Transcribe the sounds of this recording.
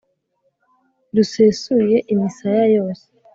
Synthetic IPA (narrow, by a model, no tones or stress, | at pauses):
ɾusesuje̞ʔimisajajo̞ːse̥